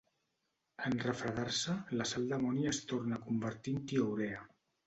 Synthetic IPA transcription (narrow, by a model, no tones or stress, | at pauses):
ənrəfɾəɣarsələsalˠd̪əmɔniəst̪ornəkumbəɾt̪int̪iowɾɛə